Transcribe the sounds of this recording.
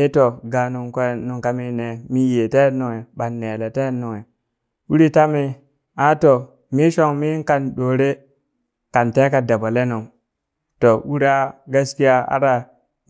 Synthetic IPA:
i˦to˨ɡa˨nu˨ŋknu˨ŋka˦mi˦ne˨mi˦je˨te˦nu˨ŋe˨ɓa˨nːe˨le˨te˦nu˨ŋe˨ | u˦ɾi˦ta˦mi˦ | a˦to˨ | mi˦ʃo˦ŋmi˦ka˦nɗo˨ɾe˦ | ka˨nte˦ka˨da˨ba˨le˦nu˨ŋ | to˨ʔu˦ɾa˦ɡa˦ski˦ja˦a̰˦ɾa˨

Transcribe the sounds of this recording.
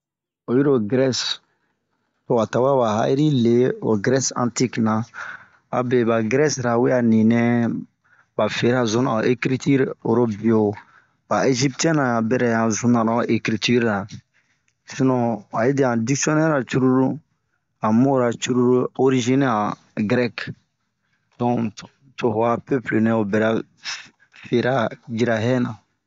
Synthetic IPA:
o˨ji˦ɾo˨ɡɾɛ˦s | ko˨a˨ta˨wa˦ba˨ɦa̰˦i˦ɾi˦le˨˦o̰˨ɡɾɛ˦sã̰˦nti˦knã˨ | a̰˨bɛ˨ba˨ɡɾɛ˦sɾa˨we˦ja˨nĩ˨nɛ̃˦ | ba˨fe˨ɾa˨zõ˦nã̰˨o˨ʔe˦kɾi˦ti˦ɾo˨ɾo˦bi˨o˨˦ | b̥a˨e˦ʒi˦ptɛ̃˦nã˨ja˨bɛ˦ɾɛ˨ja˨zũ˦nã˨ɾã˨ʔe˨kɾi˦ty˦ɾa˨ | si˦nɔ̃˦a˨i˦de˨ã˨di˦ksi˦ɔ˦nɛ˦ɾa˨t͡ʃu˦ɾu˦ɾu˦ | a˨mo˦˨ɾa˨t͡ʃu˦ɾu˦ɾu˦o˦ɾi˦ʒi˦n˦ã˨ | ɡɾɛ˦k | dɔ̃˦˨ | to˨ha˦pø˦ple˨nɛ̃˦o˨bɛ˨ɾa˦ | fe˨ɾa˦d͡ʒi˨ɾa˨ɦɛ˦nã˨

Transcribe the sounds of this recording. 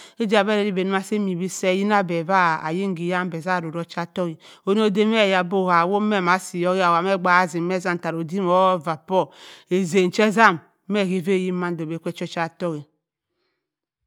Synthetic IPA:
i˦d͡ʒi˦a˨be˦ɾe˨ɾi˦be˨n˦ma˦se˦mi˨bi˦se˦ji˦na˦be˨va˦˨a̰˨ji˦ŋ˦ɡi˨ja˦m˦be˨za˦˨ɾo˨ɾo˦t͡ʃa˦˨to˦ɣi˨ | o˦n˦o˦de˦m˦e˦˨ja˨bo˦˨a˨wo˦me˦˨ma˨si˨jo˦ɣi˦a˨wa˨me˦˨ɡ͡ba˨a˦zi˨˦e˦za˦˨m˨ta˨ɾo˨di˦mo˦va˨pɔ˦e˨ze˨n̩˨t͡ʃe˦za˦˨m | me˦˨ɣi˦ve˦˨ji˦ma˦n˦do˨be˨kʷe˦t͡ʃo˦t͡ʃa˦˨tɔ˦ɣi˨

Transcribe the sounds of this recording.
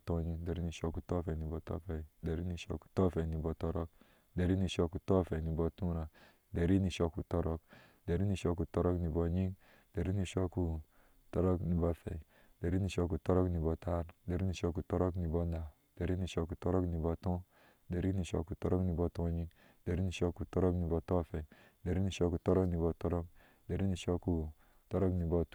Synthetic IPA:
tɔ̃˧˦ɲi˦de˨ɾi˦ni˨ʃɔ˦ku˨tɔ˦fɛ˨ni˨bɔ˧tɔ̰˦fɛ˨i˨de˨ɾi˦ni˨ʃɔ̰˦˧ku̥˨tɔ˦˨fɛ˨ni˨bɔ˧tɔ˦ɾɔ˦k̚ | de˨ɾi˦ni˨ʃɔ˧ku˨tɔ˦fɛ˨ni˨bɔ˧tũ˦ɾa˨ | de˨ɾi˦ni˨ʃɔ˧ku˨tɔ˦ɾɔ˦k | de˨ɾi˦ni˨ʃɔ˧ku˨tɔ˦ɾɔ˦kni˨bɔ˧ɲi˦ŋ | d̥e˨ɾi˦ni˨ʃɔ˦ku˨ | tɔ˦ɾɔ˦kni˨ba˧fɛ̰˨i˨ | de˨ɾi˦ni˨ʃo˧ku˨tɔ˦ɾɔ˦kni˨bɔ˨ta˦ɾde˨ɾi˦ni˨ʃo˦ku˨tɔ˦ɾo˦kni˨bo˦nda˨ | d̥e˨ɾi˦ni˨ʃo˧ku˨to˦ɾo˦kni˨bo˨tɔ̃˦ | de˨ɾi˦ni˨ʃo˧ku˨to˦ɾo˦kni˨bo˦tõ˦ɲi˦ŋ | de˨ɾi˦ni˨ʃo˧˦ku˨to˦ɾo˦kni˨bɔ˨to˦˨fe˨i˨ | de˨ɾi˦ni˨ʃo˦˧ku˨tɔ˦ɾɔ˦kni˨bɔ˨tɔ˦ɾɔ˦k̚ | de˨ɾi˦ni˨ʃo˦ku˨ | to˦ɾo˦kni˨bo˦t

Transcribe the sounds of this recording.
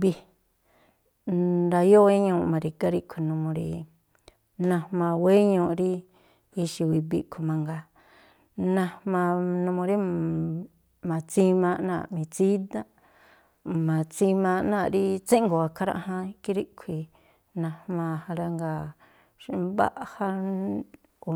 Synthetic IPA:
bi˧ | d̪a˧jo˦we˦ɲõː˧˨ʔmã˨˧ɾi˧ka˦ɾi˦kʰi˧nũ˧mõ˧ɾḭ˧ | nã˧hmã˧we˦ɲõ˧ɾi˦ | i˧ʃi˧wi˧bḭ˧kʰu˨mã˧ŋɡa˧ | nã˧mã˧nũ˧mõ˧ɾi˦ | mã˨t͡sĩ˦mã˧nã̰˦˧˨mĩ˨t͡si˦d̪a˦ | mã˨t͡si˧mã˧ʔnã˦˧˨ɾi˦t͡sẽ˦ʔŋɡo˨a˨kʰa˧ɾa̰˧ʔhã˧˦ki˦ɾi˦ʔkʷʰi˧ | nã˧hmã˧ha˧ɾa˧ŋɡa˧ | ʃba̰˦ʔha˦ | o˨

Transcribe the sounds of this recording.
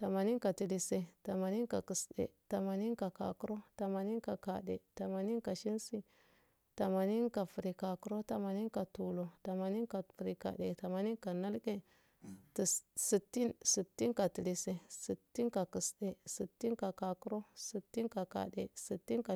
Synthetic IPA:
ta˨ma˨ni˦nka˨ti˨li˨se˨ta˨ma˨ni˦nka̰˨kə˨sɗḛ˨ta˨ma˨ni˦nka˨ka̰˨ku˦ɾo˦ta˨ma˨ni˦nka˨ka̰˨ɗḛ˨ta˨ma˨ni˦nka˨ʃi˦nsi˦ | ta˨ma˨ni˦nka˨fu˨ɾi˨ka˨ku˦ɾo˦ta˨ma˨ni˦nka˨tu˨lo˨ta˨ma˨ni˦nka˨fu˨ɾi˨ka̰˨ɗe˨ta˨ma˨ni˦nka˨na˦lke˦ | ti˨si˨tːi˦nsi˨tːi˦nka˨ti˨li˨se˨si˨tːi˦nka˨ku˨sɗe˨si˨tːi˦nka˨ka˨ku˦ɾo˦si˨tːi˦nka˨ka̰˨ɗe˨si˨tːi˦nka˨

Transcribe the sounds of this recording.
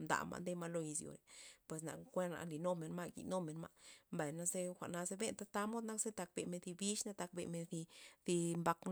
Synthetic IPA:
md̪a̰˨ma̰˧nd̪e˦ma˧lo˧i˧zjo̰˨ɾe˨pwe˨s̬na̰˧kkʷe˦nna̰˧li˨no˦me˨nma˦ɡḭ˨no˦me˨nma̰˧ʔmba˨jna˧ze˦xʷa˨ʔna˧ze˧˦be˦nt̪a˦t̪a˧mo˦d̪na˦kze˦t̪a˧k̚be˨me˧nθi˧bi˦ʃna˦t̪a˧k̚bḛ˨me˧nθi˧di˧mba˧kn

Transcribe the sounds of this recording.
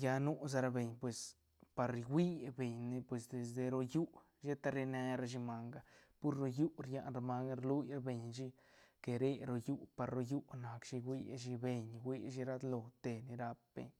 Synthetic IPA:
ja˧nu˦s̬a˧ɾa˧be˨ɲpwe˨s | pa˨ɾɡʷi˦be˨ɲni˧pwe˨sd̪e˨s̬d̪e˨ɾo˧ju˦ | ʃe˦t̪a˧ɾe˧ne˧ɾa˧ʃ̬i˧ma˧ŋɡa˧pu˦ɾːo˧ju˦ɾja˦˧ʔnɾa˧ma˧ŋɾlu˦jɾa˦be˨ɲʃi˦ | ke˨ɾe˦ɾo˧ju˦pa˨ɾɾo˧ju˦na˨kʃi˧wʷi˦ʃ̬i˧be˨ɲwʷi˦ʃi˧˦ɾa˦d̪lo˨t̪e˨ni˧ɾa˧p̚b̥ḛ˨ɲ

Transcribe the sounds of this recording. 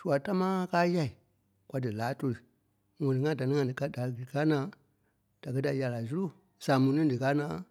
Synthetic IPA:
su˨a˨ta˦mãː˦kaː˦ja˦˨i˨ | kwa˧dɨ˨laː˨˦to˧ɾɨ˨ | ŋɔ̃˨nĩ˨ŋã˦da˨nĩ˦ŋã˧˦dɨ˨ka˦da˨˧˨ɡɨ˨i˨kaː˦nãː˨˦ | d̥a˨k̬ɜ˦da˨ja˨la˨su˦ɾu˦˨ | saː˨mũ˨nĩ˦dɨ˨kaː˦nãː˨˦

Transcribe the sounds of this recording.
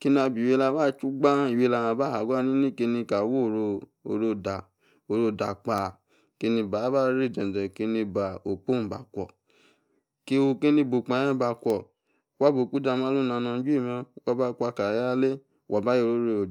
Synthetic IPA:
ki˦na˧bi˨we˧la˧˦ba˦t͡ʃu˦ɡ͡ba˦i˨we˧la˧˨ã˧ba˦ha˨˦ɡʷa˦˨nĩ˦nĩ˦ke˧nĩ˧ka˨wo˦˨ɾo˧o˨ɾo˧da˨ | o˧˨ɾo˧˨da˨k͡pa˧˨ | ke˧˦nĩ˧ba˨˦ba˦ɾe˦˨dɛ˨n˨dɛ˨ke˧nĩ˧ba˨o˨k͡po˦˨ba̰˨kʷɔ̰˨ | ke˦o˧ke˦nĩ˧bo˨k͡pa˧˨˦ɛ̃˦ba˧kʷɔ˨ | wa˦bo˨k͡pu˦da˧m˦ã˦lu˦nã˧nã˧˦d͡ʒu˦i˦˨mɛ̃˧˨kɔ˦ba˦kʷa˧˨ka˨ja˦˧˦le˦˨ | wʔa˨ba˦je˦˧˨ɾo˦ɾe˧o˨

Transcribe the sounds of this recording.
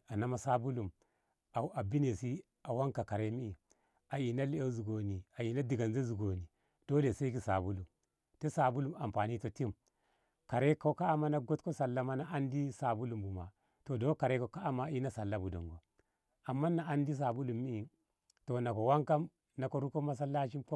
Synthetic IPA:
a˨na˦ma˦sa˦bu˦lu˨m | a˨u˦˨ʔa˨bi˦ne˨si˦ | a˨wa˦ŋka˨ka˨ɾe˦mi˦i˨ | a˨ji˨na˦le˦e˦zu˨ɡo˨ni˨a˨ji˨na˦di˨ɡa˨nze˦zu˨ɡo˨ni˨ | d̥o˦le˨se˦ɡi˦sa˨bu˦lu˨m | te˦sa˨bu˦lu˨ma˨mpa˨ni˦to˨ti˦m | ka˨ɾe˦ko˦ka˦a˦ma˦na˦ɡo˦tko˦sa˨lːa˦ma˦na˦a˦ndi˦sa˨bu˦lu˨mbu˨ma̰˨ | to˨do˦ka˨ɾe˦ko˨ka˦a˦ma˦i˦na˦sa˨lːa˦bu˨do̰˨ŋɡo˨ | a˨mːa˦na˨a˦ndi˦s̬a˨bu˦lu˨mːi˦i˨ | to˨na˨ko˨wa˦ŋka˦m | na˨ko˨ɾu˦ko˦ma˦s̬a˦lːa˦ʃ̬i˦mko˦

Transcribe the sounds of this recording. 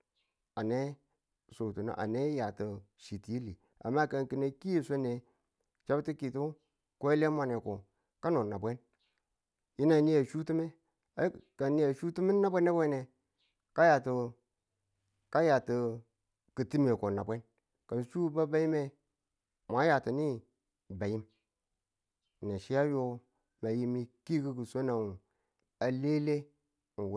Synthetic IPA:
a˨ne˦ | so˨tu˨na̰˨ʔa̰˨ne˦ja˨ti˨ | ʃi˨ti˨ji˦li˨ | a̰˨mːa˦ka˨nki˨ne˨ki˦je˦se˦ne˨ | t͡ʃa˦bti˦ki˨tu˦ | kʷo˦le˦ma˨ne˨ku˨ | ka˦no˨na˨bʷe˦n | ji˦na˨ni˦a˨ʃu˦ti˦me˦ | a˨˦ka˨nːi˦ja˨ʃu˦ti˦mi˦na˦bʷe˦ne˦bʷe˦ne˨ | ka˦ja˨ti˨ | ka˦ja˨tə˨ | kə˨ti˦me˨ko˨na̰˨bʷe˦n | ka˨n˨ʃu˦ba˦ba˦ji˦me˦ | ma˨˦ja˨ti˨ni˦ | ba˨ji˦m˨ | ne˨ʃi˦ja˦jo˦ | ma˨ji˦mi˨ki˦ki˦ku˨so˦na˨wu˨ | a˨le˦le˦˨ | n˨w

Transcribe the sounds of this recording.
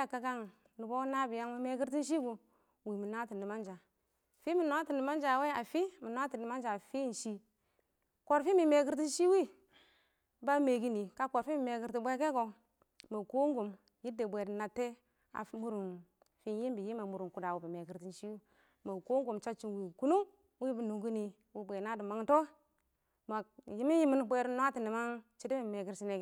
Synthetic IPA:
a˦ka˨ka˦ŋ | nu˨bo˦na˦bi˨ja˦ŋmi˦me˦ki˦ɾti˦n˦ʃ̬i˦ɡu˨ | wi˨mi˨na˦ti˨ndi˨ma˦nd͡ʒa˨ | fi˦mi˨n˦a˦ti˨ndi˨ma˦n˦d͡ʒa˨we˦a˨fi˦mi˨n˦a˦ti˨ndi˨ma˦nd͡ʒa˨fi˦˨n̩˨ʃi˦ | ko˨ɾfi˦mi˨me˨ki˦ɾti˦n˦ʃi˦wi˦ | ba˦me˨ɡi˦ni˨ka˦ko˨ɾfi˦mi˨me˨ki˨ɾti˨bʷe˦ke˦ɡo˨ | ma˨ko˦ŋɡu˨m | ji˦de˨bʷe˨dna˨tːe˦ | a̰˨mu˨ɾu˨n | fi˦nji˦mbi˨ji˦ma˨mu˨ɾu˨ku˨da˨wu˨bi˨me˨ɡi˨ɾti˦nʃi˦wu˦ | ma˨ko˦ŋɡu˨mt͡ʃa˦t͡ʃi˦nwi˨ku˦nu˦ | wi˦bu˨nu˨ŋɡu˦ni˨ | wi˦bʷe˨na˦di˨ma˦ŋto˦ | ma˨ji˦mi˦nji˦mi˦nbʷe˦ɾn˦a˦ti˨ni˨ma˦ŋt͡ʃi˦di˦mi˨me˨ɡi˦ɾsi˦ne˨ke˨

